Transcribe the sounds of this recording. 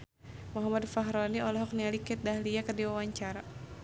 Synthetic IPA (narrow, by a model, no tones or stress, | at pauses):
mɔɦamadfaɦɾɔniɔlɔɦɔk̚nialikɛt̪̚dahliakərdiwawaɲt͡ʃaɾa